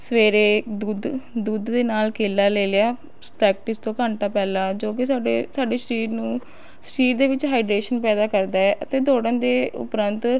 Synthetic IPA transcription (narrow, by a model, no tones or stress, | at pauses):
səʋeːɾeːd̪uːd̪d̪uːd̪ːeːnaːlkʰeːlːaːleːleaː | pɾɛːk̚ʈɪst̪õːkəɳʈaːpɛːlaːd͡ʒoːkɪsaːɖeːsaːɖeːʃəɾiːɾnũː | sʈiːʈd̪eːʋɪt͡ʃɦaːɪɖɾeːʃənpɛːd̪aːkəɾd̪aːɛːʔət̪eːd̪oːɽənd̪eːʊ̰pɾənt̪